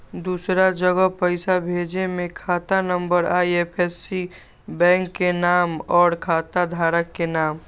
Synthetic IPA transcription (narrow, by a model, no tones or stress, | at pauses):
d̪uːsɾad͡ʒəɡəpəɪsabʱeːd͡ʒemẽkʰaːt̪anə̃mbəɾaiepʰesːi | bɛ̃ːŋkːenaːmɔːɾkʰaːt̪ad̪ʱaːɾəkːenaːm